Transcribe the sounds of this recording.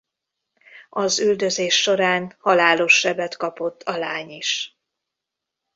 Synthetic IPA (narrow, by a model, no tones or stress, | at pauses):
ɒzyld̪ø̞zeːʃːo̞ɾaːnhɒlaːlo̞ʃːɛbɛt̪kɒpo̞t̪ʰːɒlaːɲiʃ